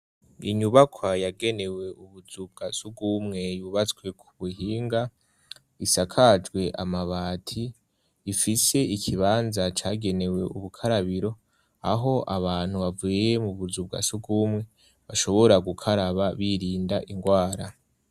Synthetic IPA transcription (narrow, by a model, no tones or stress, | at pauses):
ḭɲuβakʰwajaɡe̞ne̞we̞uβuzub̚ɡasuɡumŋe̞juːβat͡swe̞kʰuβuɦiːŋɡa | isakʰad͡ʒɡwe̞ʔamaβaːtʰiː | fise̞ikʰiβaːnzat͡ʃaːɡe̞ne̞we̞ʔuβukʰaɾaβiɾo̞ | aɦo̞ʔaβaːn̥huβavujjemuβuzub̚ɡa̰suɡumŋe̞ | βaʃo̞βo̞ɾaɡukʰaɾaβaβiɾiːndaʔiŋɡwaːɾa